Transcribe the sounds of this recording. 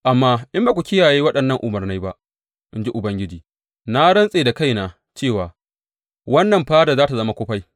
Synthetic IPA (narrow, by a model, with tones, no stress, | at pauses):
ʔa˨mːaː˦ʔɪ˦mba˦kʷu˨kʲɪ˦jaː˨jeː˦wɐ˦ɗɐ˨nːɐ˦ŋʔʊ˨mɐ˨rna˦jba˦ʔ | ʔɪ˦nd͡ʒi˦ʔʊ˨bɐ˦ŋɡʲɪ˦d͡ʒiː˨ | na˦ɽɐ˦nsʼeː˨da˨ka˦˨jnaː˨ | t͡ʃeː˦˨waː˨ | wɐ˦nːɐ˨mɸaː˦da˨zaː˦ta˨zɐ˦ma˦kʷoː˦ɸa˦j